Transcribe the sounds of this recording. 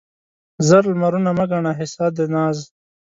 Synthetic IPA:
zɐɾlmaɾunamaɡaɳaɦɪsaːd̪enaːz

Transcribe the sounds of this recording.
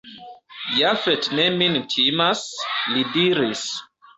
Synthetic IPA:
jafetnemintʰimaslidiɾis

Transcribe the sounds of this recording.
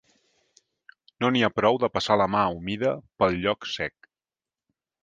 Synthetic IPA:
noniapɾɔwðəpəsaləmaumiðəpəlˠʎɔksɛk

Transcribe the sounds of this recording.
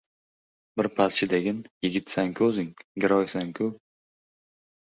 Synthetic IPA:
bɪɾpʰast͡ʃʰɪd̪eɡʲɪnjɪɡʲɪt̪saŋkʰʲɵzɪŋɡʲɪɾɒjsaŋkʲʰʊ

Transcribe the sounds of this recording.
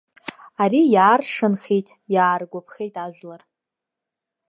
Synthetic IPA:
aɾijaːrʂɨnχejtʼ | jaːrɡʷapʰχejtʼaʒᶣʷlar

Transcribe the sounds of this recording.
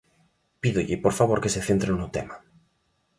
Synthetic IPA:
piðoʎɪpoɾfaβ̞oɾkeseθent̪ɾenut̪ḛma

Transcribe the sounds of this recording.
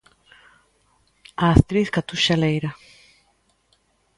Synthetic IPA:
aːst̪ɾiθkat̪uʃalejɾa

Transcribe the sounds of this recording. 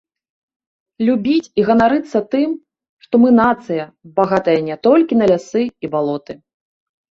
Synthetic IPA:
lʲubʲit͡sʲiɣɐnaɾɨt̪sːɐt̪ɨm | ʂt̪ɔmɨnat̪sɨjɐbaɣat̪ɐjɐnʲɛt̪ɔlʲkʲinɐlʲasɨibalˠɔt̪ɨ

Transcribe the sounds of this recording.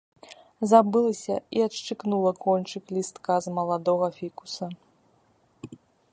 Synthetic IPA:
zabɨlˠɐsʲɐiɐtʂt͡ʂɨknulˠɐkɔnʲt͡ʂɨklʲist̪kazmɐlˠad̪ɔɣɐfʲiku̥sɐ

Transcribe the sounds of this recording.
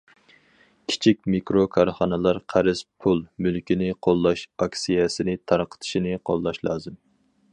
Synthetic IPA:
kʲʰi̥t͡ʃʰikʲmikɾokʰɑɾχɑnɨlˠɑɾqʰæɾɨspʰulˠmylkʲinɪqʰolˠːɑʃɑkʲsijɛsɪnɪt̪ʰɑɾqʰə̥t̪ʰɪ̥ʃinɪqʰolˠːɑʃlˠɑːzɨm

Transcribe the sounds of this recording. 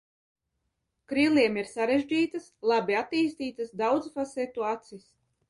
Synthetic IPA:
kɾiliɛmiɾsaɾeʒd͡ʒiːt̪ɨslˠabiat̪iːst̪iːt̪ɨsd̪awd̪zfasɛt̪uat̪sis

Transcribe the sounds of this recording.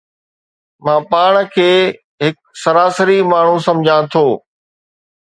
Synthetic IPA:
mãːpaːɽ̃kʰeː | ɦɪk̚ | sɐɾaːsəɾimaːɳ̤ũsɐ̃md͡ʑʱãt̪ʰoː

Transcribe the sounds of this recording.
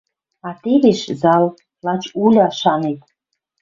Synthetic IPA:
ɑt̪eβeʃzɑl | lɑt͡ɕulʲɑʃɑnet̪̚

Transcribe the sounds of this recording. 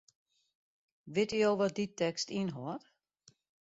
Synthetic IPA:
ʋɪtyjowʋɔt̚ditɛkstinɦoət

